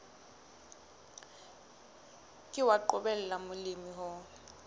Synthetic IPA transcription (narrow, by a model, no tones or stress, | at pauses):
kʼɪwaǃʊbɛlɛlamʊlimiɦʊ